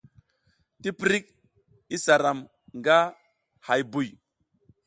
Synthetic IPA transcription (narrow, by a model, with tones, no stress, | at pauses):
ti˦pɾi˦k̚ | i˦sa˨ɾa˨m | ŋɡa˦ | ha˨jbu˨j